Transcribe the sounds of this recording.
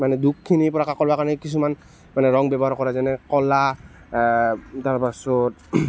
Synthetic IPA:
manɛdukʰːinipɔɹakakɔɹbakaɹɔnikisuman | manɛɹɔŋbɛbɔɦaɹkɔɹazanɛkɔla | taɹpasɔt̚

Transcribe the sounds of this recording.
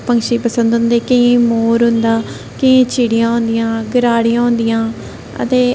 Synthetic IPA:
pəŋkʃiːpəsə̃nd̪ɦʊ̃nd̪eːkəĩːmoːɾɦʊnd̪aː | kɪĩːt͡ʃʰiːɽijãːɦʊ̃nd̪ɪjãːɡəɾaːɽijãːɦʊ̃nd̪ɪjãː | ə̰t̪eː

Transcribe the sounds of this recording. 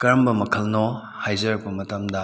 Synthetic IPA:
kɐɾmbɐmɐkʰɐlno | hajzɐɾɐk̚pɐmɐtɐmdɐ

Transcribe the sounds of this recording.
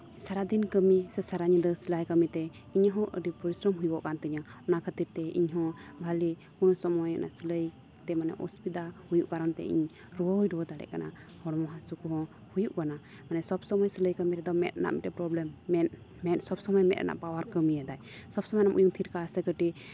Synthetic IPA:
saɾad̪inkəmisɛsaɾaɲid̪ɔsilajkəmit̪ɛ | iɲaɦɔ̃ʔə̰ɖipɔɾisɾəmɦujbɔʔkant̪ɛɲaɔnakʰət̪iɾt̪ɛḭɲɦɔ̃bʱali | kunɔsɔmɔja̰na̰ʔsələj | t̪ɛmanɛ̰ʔɔ̰spid̪ahujuʔkaɾant̪ɛ̰ḭɲ | ɾɔwəɦujɖɔwɔd̪aɽɛ̰ʔkana̰ | hɔɽɔmɔɦãsukuɦɔ̃ | hujuʔkana | manɛsɔbsɔməjsələjkəmiɾɛd̪ɔmɛ̰t̪̚na̰ʔmiʈɛpɾɔblɛmːɛ | mɛt̪sɔbsɔməjmɛt̪̚ʔɛ̰na̰ʔpawaɾkəmijad̪ajsɔbsɔmɔjnamʔujuŋt̪ʰiɾkasɛkəʈi

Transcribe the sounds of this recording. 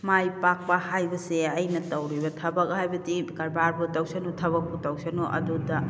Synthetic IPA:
majpak̚pɐhajbɐseɐjnɐtɐwɾibɐtʰɐbɐk̚hajbɐtikɐɾbaɾbutɐwsenutʰɐβɐk̚putɐwsenoʔɐ̰dudɐ

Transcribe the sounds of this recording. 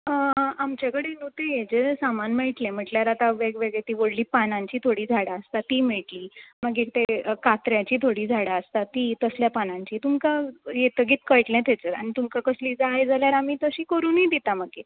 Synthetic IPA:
əamt͡ɕakəɽenũːt̪ẽjed͡zesamanmeɭʈlɛ̃m̤əʈljaɾat̪aʋeɡʋeɡɭɛt̪iːʋoɽliːpanãɲt͡ɕiːt̪ʰoɽiːd͡zʱaɽaəst̪at̪iːmeɭʈliːmaɡet̪ekat̪ɾjat͡ɕiːt̪ʰoɽiːd͡zʱaɽaəst̪at̪iːt̪əsljapanãɲt͡ɕiːt̪umkajet̪əɡiːt̪kəjʈlɛ̃t̪ɛt͡səɾa̰ɽ̃it̪umkakəsliːd͡zajd͡zʱaljaɾamiːt̪əɕiːkəɾuːnid̪it̪aməɡe

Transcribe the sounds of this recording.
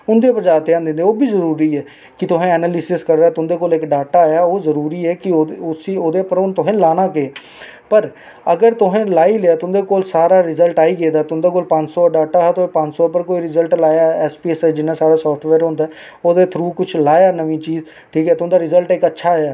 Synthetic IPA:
ʊnd̪eːpɾd͡ʒaːɾt̪eːãːnd̪ɪ̃nd̪eːoːbʱiːzəɾuːɾiːɛː | kɪt̪ʊɦẽːɛːnaːlɪsɪskəɾd̪aːt̪ʊ̃nd̪eːkoːlɪkɖaːʈaːjaːoːzəɾuːɾiːɛːkɪoʊsioːd̪eːpəɾʊnt̪ʊɦẽːlaːnãːkeː | pəɾ | əɡəɾt̪ʊɦẽːlaːiːleaːt̪ʊnd̪eːkoːlsaːɾaːɾɪzəlʈaːiːɡeːd̪aːt̪ʊ̃nd̪eːkoːlpãɲt͡ʃsoːɖaːʈaːɦaːt̪ʊẽːpãɲt͡ʃsoːpəɾkoːiːɾɪzəlʈlaːjaːɛːspiːsɛːd͡ʒɪnːaːsaːɾaːsɔːpʰʈʰʋɛːɾɦʊ̃nd̪aɛ | oːd̪eːt̪ʰɾuːkʊt͡ʃʰlaːjaːnəʋĩːt͡ʃiːz | ʈʰiːkɛːt̪ʊ̃d̪aːɾɪzəlʈɪkətːʃʰaːjaː

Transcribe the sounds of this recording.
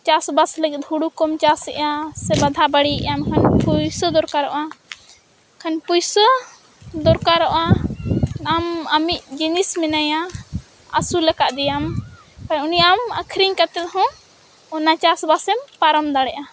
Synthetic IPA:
t͡ʃasbasləɡɛt̪̚ɦuɽukɔmt͡ʃasɛ̰ʔjasɛbad̪ʱabaɽiɛ̰ʔamkʰanpujsəd̪ɔɾkaɾɔʔa | kʰanpujsə | d̪ɔɾkaɾɔʔa | amamiʔ̚d͡ʒinismɛnaja | asulɛkaʔd̪ɛjam | kʰanuniaamakʰɾiɲkat̪ɛt̪ɦɔ̃ | ɔnat͡ʃasbasɛmpaɾɔmd̪aɽɛʔa

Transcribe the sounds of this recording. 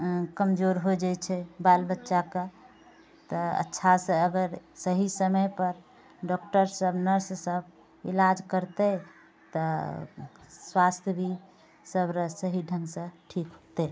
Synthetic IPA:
kəmd͡ʒoɾɦod͡ʒajt͡ʃʰɛbalbətːʃake | t̪ɔə̰tːʃʰasə̃əɡəɾsəɦisəməjpəɾ | ɖɔk̚ʈəɾsəbnəɾssəb | ilad͡ʒkəɾt̪ɛ | t̪ɔ | swast̪ʰjbʱi | səbɾəsəɦiɖʱəŋɡsə̃ʈʰikɦot̪ɛ

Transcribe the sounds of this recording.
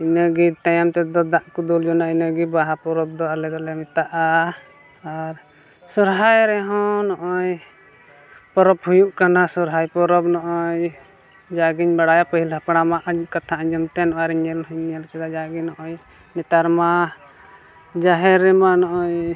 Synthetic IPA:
inəɡit̪ajamt̪ɛd̪ɔd̪aʔkud̪uld͡ʒɔnainəɡibaɦapɔɾɔb̚d̪ɔalɛd̪ɔlɛmɛt̪aʔa | aɾ | sɔɾɦajɾɛɦɔ̃nɔʔɔj | pɔɾɔphujuʔkanasɔɾɦajpɔɾɔbnɔʔɔj | d͡ʒaɡiɲbaɽajapəɦilɦapɽ̃amaʔkat̪ʰaʔəɲd͡ʒɔmt̪ɛnɔʔaɾiɲɛlɦəɲɛlkɛd̪ad͡ʒaɡinɔʔɔj | nɛt̪aɾma | d͡ʒaɦɛɾɛmanɔʔɔj

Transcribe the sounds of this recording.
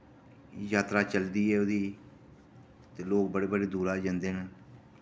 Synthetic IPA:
jaːt̪ɾaːt͡ʃəld̪iːɛːod̪iː | t̪eːloːk̚bəɽeːbəɽeːd̪uːɾaːd͡ʒənd̪eːnaː

